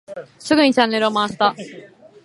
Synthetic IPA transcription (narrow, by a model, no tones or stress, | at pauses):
sɨɡɯ̟ɲ̟it͡ɕãnːe̞ɾɯ̟omaːɕi̥t̪a